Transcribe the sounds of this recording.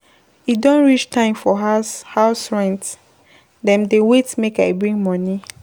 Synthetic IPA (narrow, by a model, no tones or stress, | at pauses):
idɔ̃nɹit͡ʃtãɪ̃mfɔhaʊsɹɛ̃nt | dɛ̃mdewetmekaɪbɹĩŋɡmɔni